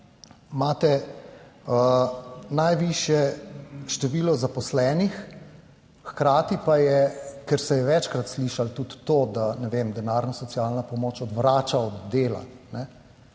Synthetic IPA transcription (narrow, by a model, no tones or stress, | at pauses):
mat̪ɛ | ənajʋiʃjɛʃt̪ɛʋiːlɔzapɔslɛːnix | xkɾaːt̪ipajɛkɛɾsɛjɛʋɛt͡ʃkɾat̪sliʃalt̪ut̪ːoːd̪anɛʋemd̪ɛnaːɾnɔsɔtsijaːlnapɔmoːt͡ʃɔd̪ʋɾaːt͡ʃaɔd̪ːeːla̰nɛ